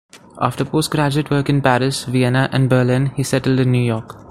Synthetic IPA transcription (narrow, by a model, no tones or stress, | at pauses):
ʔa̰ːfʈəɾpoːsʈɡɾæd͡ʒɪʈʋəɾkɪ̃npæɾɪsʋiɛnaʔæ̃nɖbəːɾlɪ̃nhiːsɛʈəlɖɪ̃nːjuːjɔːɾk